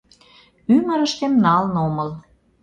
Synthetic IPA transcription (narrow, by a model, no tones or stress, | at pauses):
ymə̆ɾə̆ʃt̪emnɑlnoməl